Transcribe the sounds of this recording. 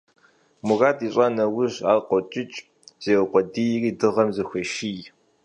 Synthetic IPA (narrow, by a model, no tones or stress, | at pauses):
mʊɣaːtʼiːɕʼanɐwʊʑaːlqʷɔt͡ʃʼɪt͡ʃʼ | z̥eːwqʷɔdijriːdɨʁɐmzɨxʷeʃij